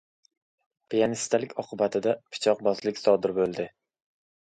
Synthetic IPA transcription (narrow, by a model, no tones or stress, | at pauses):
pʰijanɪst̪alɪkʲʰɒqʰɨbat̪ʰɪd̪apʰɪ̥t͡ʃʰɒq̚bɒzlɪkʲsɒd̪ɪɾbolˠd̪ɪ